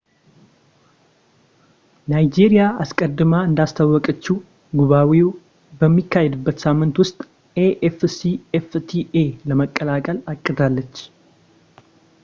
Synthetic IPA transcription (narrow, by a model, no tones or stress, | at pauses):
najd͡ʒeɾijaaskʼəd̪ːɨmaɨnd̪ast̪ʰawːɔkʼət͡ʃːu | ɡuβawi | bəmːikːahɛd̪ɨbːət̪samːɨnt̪wʊst̪ʼ | eʔɛfsiɛft̪ʰieləməkʼːəlakʼəlakʼːɨd̪alːət͡ʃː